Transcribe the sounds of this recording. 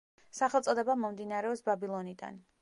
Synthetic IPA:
saχɛlˠt̪sʼɔd̪ɛbamɔmd̪inaɾɛɔsbabilˠɔnid̪a̰n

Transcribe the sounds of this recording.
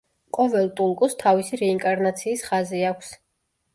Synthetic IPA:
qʼɔvɛlˠt̪ʼuŋkʼust̪ʰavisiɾɛiŋkʼaɾnat̪sʰiːsχaziakʷʰs

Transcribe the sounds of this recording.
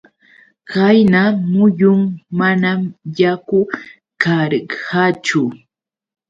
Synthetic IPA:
kajnamʊjʊŋmanamjakʊ | kaɾhat͡ʃʊ

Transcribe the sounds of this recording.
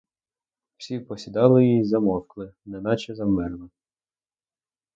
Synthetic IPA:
w̥sʲipɔsʲid̪ɑlˠɪjizɐmɔwklˠɪnɛnɑt͡ʃɛzɐmɪrlˠɔ

